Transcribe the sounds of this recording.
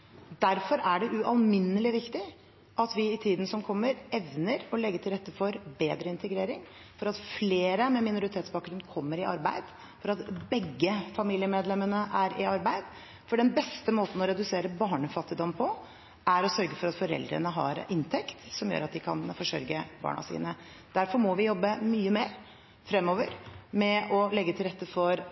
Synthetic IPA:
d̪æɾfɔɾæɖɛʔʉʔɑlmɪnːəlɪʋɪkt̪ɪ | ʔɑt̪ʋɪɪt̪ʰiːd̪n̩sɔmkʰɔmːəɾɛʋnəɾɔlɛɡːəʈ̪ʰɪlɾɛt̪ːəfɔɾbeːd̪ɾəɪnt̪ʰəɡɾeːɾɪŋ | fɔɾɑt̪fleːɾəmɛmɪnʊɾɪt̪ʰeːt̪sbɑːk̚ɡɾʉnkʰɔmːəɾɪʔɑ̰ɾbæɪd̪ | fɔɾɑt̪bɛɡːəfɑmiːlɪəmeːd̪lɛmːənəʔæɾɪɑɾbæɪd̪ | fɔɖɛnbɛst̪əmoːt̪n̩ɔɾɛd̪ʉseːɾəbɑːɳəfɑt̪ːɪd̪ɔnpʰɔ | æɾɔsœɾɡəfɔɾɑt̪fɔɾɛ̰ld̪ɾə̰nəɦɑ̰ɾɪnt̪ʰɛkt̪sɔmjø̰ːɾɑt̪̚d̪ɪkʰɑ̰nfɔʂœ̰ɾɡəbɑ̰ːɳɑ̰sḭːnə | d̪̥æɾfɔɾmɔʋɪjɔbːəmyːəmeːɾ | fɾɛmːɔʋəɾmɛɔlɛɡːət̪ʰɪlɾɛt̪ːəfɔɾ

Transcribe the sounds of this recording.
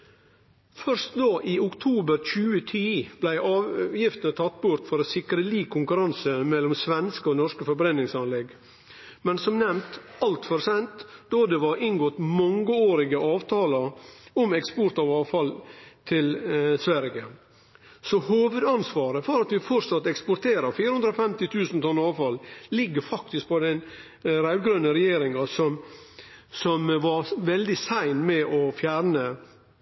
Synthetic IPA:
fœɾʂt̪d̪ɑːʔiːʊkt̪ʰuːbəɾc͡çʉːət̪ʰiːb̥læɪʔɑːʋjɪft̪ənət̪ʰɑt̪ːbʊɾt̪fɔɾosɪkɾəliːkʰːʊŋkʉɾɑnsəmɛlːɔmsʋɛnskəoːnɔɾʂkəfɔɾbɾɛnːɪŋsɑnlɛɡ | mɛnsɔmnɛmt̪ɑlt̪fɔɾsɛnt̪d̪oːd̪ɛʋɑɾɪnɡɔt̪mɑŋːəoːɾɪɡəʔɑːʋt̪ʰɑːlɑɔmɛkspɔɾt̪ɑʋɑːʋfɑlt̪ʰɪlsʋæɾə | sɔhoːʋʉd̪ɑnsʋɑːɾəfɔɾɑt̪ʋɪfɔɾsɑt̪ːɛkspɔɾʈ̪ʰeːɾəɾfiːɾəhʉnd̪ɾɔfɛmt̪ɪt̪ʰʉːsnt̪ʰɔnːəɑːʋfɑllɪɡːəɾfɑk̚t̪ɪsk̚pʰɔd̪ɛn | ɾæʉlɡɾœnːəɾɛjeːɾɪŋɑsɔm | sɔmʋɑɾʋɛld̪ɪsæɪnmɛʔɔfjæːɾnə

